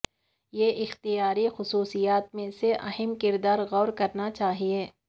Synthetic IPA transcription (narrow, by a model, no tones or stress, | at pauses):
jeʔɪxt̪ijaːɾixʊsuːsijaːt̪mẽseʔɐɦɛmkɪɾd̪aːɾɣɔːɾkɐɾnat͡ʃaːɦieː